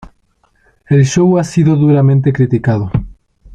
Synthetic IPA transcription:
elʃoɣwasiðoðuɾamẽnt̪ekɾit̪ikaðo

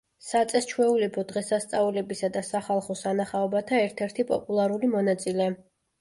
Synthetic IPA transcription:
sat̪sʼɛst͡ʃʰwɛulɛbʰɔd̪ʁɛsast̪sʼaulɛbisad̪asaχalˠχɔsanaχaɔbat̪ʰaɛɾt̪ʰɛɾt̪ʰipʼɔ̰pʼulˠaɾulimɔnat̪sʼilɛ

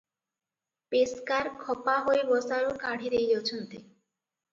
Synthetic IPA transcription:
peskaɾkʰɔpaɦoebɔsaɾokaɽ̤ʱiɾejd͡ʑot͡ɕʰont̪e

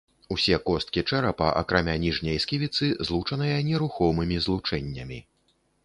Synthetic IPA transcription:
usʲɛkɔst̪̚kʲit͡ʂɛɾɐpɐʔɐ̰kɾamʲanʲiʐnʲɐjskʲivʲit̪sɨzlˠut͡ʂɐnɨjɐnʲɛɾuxɔmɨmʲizlˠut͡ʂɛnʲːɐmʲi

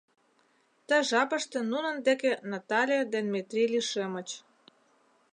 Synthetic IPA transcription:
t̪ə̆ʒɑpə̆ʃt̪ĕnunə̆nd̪ekenɑt̪ɑlʲid̪enmet̪rʲiliʃømə̆t͡ɕ

